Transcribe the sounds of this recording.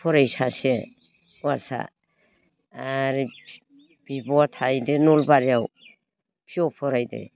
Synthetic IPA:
pʰɔɾajsase | asa̰ | aɾi | b̥ibɔatʰajdenɔlbaɾjaw | pʰiɔpʰɔɾajdḛ

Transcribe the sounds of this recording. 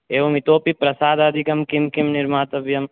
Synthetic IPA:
eːʋɐmit̪oːpipɾɐsaːd̪ɐd̪ʱikɐmkɪmkɪmnɪɾmaːt̪ɐbjɐm

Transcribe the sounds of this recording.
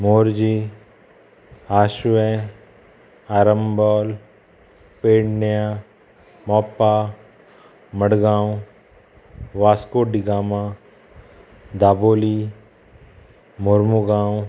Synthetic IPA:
moːɾd͡ʒi | aːʃʋɛ | aːɾəmbɔːl | peːɽnjaː | mɔːpːaː | məɽɡãːw | ʋaːskoːɖiɡaːma | d̪aːboːli | moɾmuɡãːwũ

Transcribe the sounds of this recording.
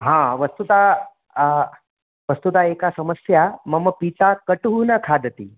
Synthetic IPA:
ɦãʋəst̪ut̪a | ʋəst̪ut̪aekasəməsjaməməpit̪akəʈuɦunakʰad̪ʱət̪ḭː

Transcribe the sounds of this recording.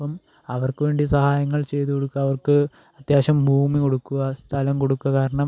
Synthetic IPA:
pɐm | ɐʋɐrkɨʋe̞ːɳɖisɐhaːjɐŋːɐɭt͡ɕe̞jt̪uko̞ɽukːɐːʋɐrkɨ | ɐt̪jaːɕɐmbʱuːmiko̞ɽukːuɐst̪ʰɐlɐmko̞ɽukːuɐkaːɾɐɳɐm

